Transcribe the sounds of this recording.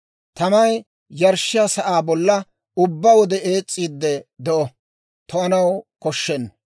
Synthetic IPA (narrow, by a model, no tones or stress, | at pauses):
t̪ɐmɐj | jɐɾʃːɪjasɐʔaːbɔlːɐ | ʊbːɐwɔd̪ɛeːt͡sʼːiːd̪ːɛd̪ɔʔɔ | t̪ɔɐnɐwkɔʃːɛnː